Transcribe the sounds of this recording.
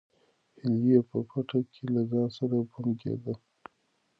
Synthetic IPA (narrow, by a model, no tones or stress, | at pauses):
hɪljepəpaʈakʰelazɑsaɾabumɡḛd̪a